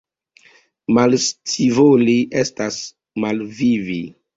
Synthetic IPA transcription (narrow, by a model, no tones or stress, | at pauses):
malstʰivoliʔe̞stas | malvivi